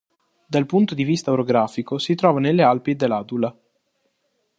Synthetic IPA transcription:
d̪alpunt̪od̪ivist̪aoɾoɡɾaːfikosit̪ɾɔːvanelːealpid̪elːaːd̪ula

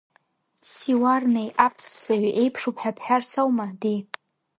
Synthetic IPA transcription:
siwarnejʔapʰsːaʕʷʔejpʰʂupʰħapʰħarsawmadi

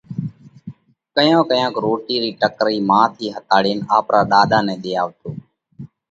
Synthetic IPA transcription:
kəjãːkəjãːkɾoːʈiːɾiːʈəkɾiːmãːt̪ʰiːɦət̪aːɽeːnaːpɾaːɗaːɗaːnɛ̃ːɗ̪eːaːʋt̪oː

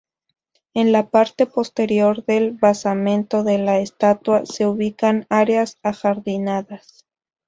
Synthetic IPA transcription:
e̞nlapaɾt̪e̞po̞st̪e̞ɾjo̞ɾðe̞lβasamẽ̞nt̪o̞ðe̞laest̪at̪wase̞uβikanaɾeasaxaɾðinaðas

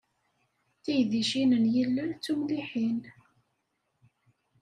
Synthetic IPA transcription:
θijðiʃinənjilːælt͡sːumliħin

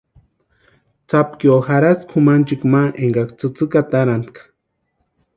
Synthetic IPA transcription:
t͡sapkioxaɾaskʰʊmant͡ʃikmaʔeŋɡakt͡sɨt͡sɨkat̪aɾant̪kḁ

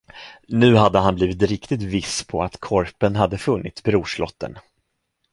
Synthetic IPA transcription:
nʉ̟ːɦad̪ːəɦanbliːvɪt̪ɾɪkt̪ɪt̪vɪspʰɔat̪kʰɔɾpənɦad̪ːəfɵnːɪ̰t̪sbɾuːʂlɔ̰t̪ʰːə̰n

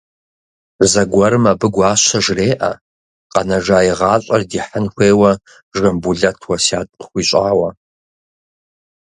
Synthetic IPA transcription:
zɐɡʷɐɾɨmɐbɨɡʷɑːɕɐʒreːʔɐ̰ | qɐnɐʐaːjɪʁɑːɕʼɐrdiːħənxʷeːwɐ | ʐɐmbuɮɐtʰwɐsaːtʼxʷiːɕʼaːwɐ

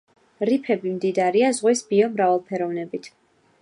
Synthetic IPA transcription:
ɾipʰɛbimd̪id̪aɾiazʁwisbiɔmɾavalˠpʰɛɾɔvnɛbit̪ʰ

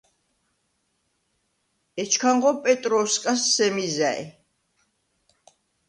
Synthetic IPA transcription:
ɛt͡ʃʰkʰaɴʁɔpʼɛt̪ʼɾɔskʼasːɛmizaɛ̰

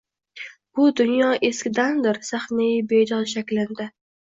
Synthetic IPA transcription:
b̥ʊd̪ʊnjɒe̞skʲɪd̪and̪ɪɾsaχnaibe̞d͡ʒ̪ɒnʃ̬akʲlɪnd̪ɪ

